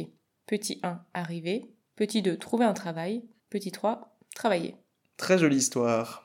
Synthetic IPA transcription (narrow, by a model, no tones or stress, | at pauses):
pət̪ʰiʔɛ̃aʁive | pət̪id̪øt̪χuveɛ̃t̪χavaj | pət̪it̪χwa | t̪χavajḛ | t̪χɛʒɔliːst̪waːʁ